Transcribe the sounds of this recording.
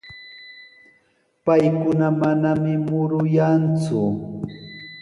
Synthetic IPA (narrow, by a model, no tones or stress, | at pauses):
pajkʊnamanamɪmʊɾʊjant͡sʊ